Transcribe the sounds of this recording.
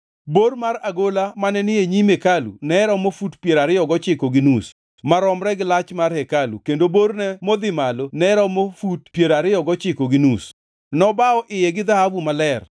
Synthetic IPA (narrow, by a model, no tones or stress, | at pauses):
bormaraɡolamanɛnɪeɲimekalṵnɛɾɔmofutpjeɾaɾɪɔɡɔt͡ʃɪkoɡɪnus | maɾɔmɾɛɡɪlat͡ʃmarhɛkalṵkendobornɛmod̪ɪmalonɛɾɔmofut̚pjeɾaɾɪjɔɡɔt͡ʃɪkoɡɪnus | nɔbaɔʔɪjɛɡɪd̪ahavumalɛr